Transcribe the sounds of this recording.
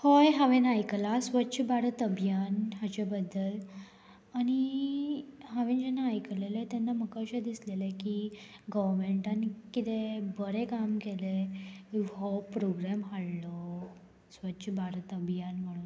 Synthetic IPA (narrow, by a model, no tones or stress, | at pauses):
hojɦaʋenajklasʋətːɕʰbʱaɾət̪əbjanɦat͡ɕebəd̪ːəl | añi | ɦaʋẽnd͡ʑenːaːjklelet̪enːaməkəɕed̪islelekiɡəʋəɾmeɳʈankit̪ebəɾekamkele | ɦɔpɾoɡɾamɦaɽlɔ | sʋətːɕʰbʱaɾt̪əbʱjanməɽuːn